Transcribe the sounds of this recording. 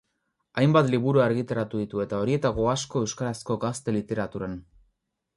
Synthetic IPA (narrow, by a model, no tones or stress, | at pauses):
ajmbat̪liβ̞uɾuaɾɣit̪aɾat̪uðit̪ue̞t̪ao̞ɾie̞t̪aɣo̞asko̞e̞wskaɾasko̞ɡast̪e̞lit̪e̞ɾat̪uɾan